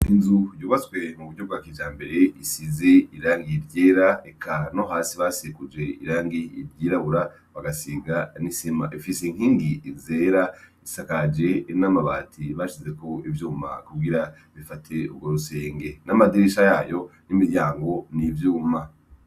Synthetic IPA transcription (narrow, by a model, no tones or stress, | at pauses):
inzujuːβaswe̞muβuɟɟob̚ɡaːkiːd͡ʒaːmbe̞ɾe̞isize̞iɾaːŋɡiiɾɟeːɾaekʰano̞ɦaːsiβasekud͡ʒe̞ḭɾaːŋɡiḭɾjiːɾaβuɾa | βaɡasiːɡanisima̰ʔifiseiŋ̥hiːŋɡiːzeːɾaisakad͡ʒe̞namaβa̰ːtʰiβaʃize̞ko̞ivjuːma̰kuɡiɾa | βifatʰe̞ṵɡoɾuse̞ːŋɡe̞namadiɾiʃajaːjo̞nimiɾɟaːŋɡo̞nivjuːma